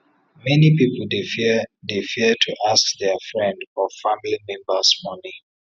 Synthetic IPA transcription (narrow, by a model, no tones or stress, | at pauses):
mɛnipipl̩ddefitʰuʔaskðɛfɹɛ̃ndfɔfamilimɛ̃mbəsmɔni